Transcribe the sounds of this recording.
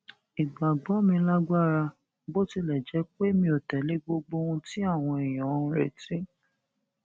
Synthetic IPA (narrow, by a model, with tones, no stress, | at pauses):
i˨ɡ͡ba˨ɡ͡bɔ˨˦mĩ˧la˦ɡa˦˨ɾa˧ | bo˦ti˧lɛ˨d͡ʒɛ˨˦k͡pe˦mĩ˧o˨tɛ˨˦le˦ɡ͡bo˦ɡ͡bo˦ũ˧ti˦a˦˨w̃ɔ̃˧e˨j̃ɔ̃˨˦˧ɾɛ˨tĩ˦